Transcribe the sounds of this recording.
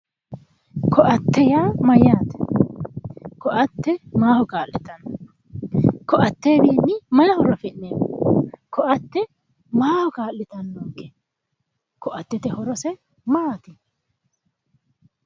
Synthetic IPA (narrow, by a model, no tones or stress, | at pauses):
kʰɔʔɐt̪ːɛjaːmɐjaːt̪ɛ̥ | kɔʔɐt̪ːɛmaːhɔkaːlːɪt̪ɐnːɔɔ | kɔʔɐt̪ːeːbiːnːɪmɐjɐhɔɾɔfɛʔːeːmɔkɔʔɐt̪ːɛ | maːhɔkaːlːɪt̪ɐnːoːkːɛ̥ | kɔʔɐt̪ːɛt̪ɛhɔɾɔsɛ | maːt̪ɪ